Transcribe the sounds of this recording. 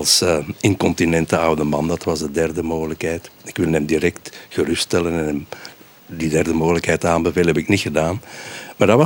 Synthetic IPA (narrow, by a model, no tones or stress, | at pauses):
lˠsɪŋkɔntinɛntəɑwdəmɑndɑtʋɑzdədɛrdəmoːɣələkɦɛːjtɪkʋɪlˠɛmdiɾɛktɣərʏstɛlənɛnɛm | didɛrdəmoːɣələkɦɛjtaːmbəveːləɦɛbɪknixədaːnmaːrdɑɑ